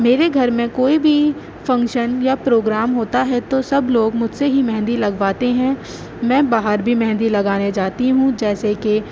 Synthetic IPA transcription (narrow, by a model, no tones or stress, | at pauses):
meːɾeɡʱɐɾmẽkoːibʱi | fɐ̃ŋkʃənjapɾoːɡɾaːmɦoːt̪aɦɛt̪osɐbloːɡmʊd͡ʒʱseɦimɛ̃ɦnd̪ilɐɡʋaːt̪eɦɛ̃ | mɛ̃ːbaːɦəɾbʱimɛ̃ɦnd̪ilɐɡaːned͡ʒaːt̪iɦũd͡ʒɛːseke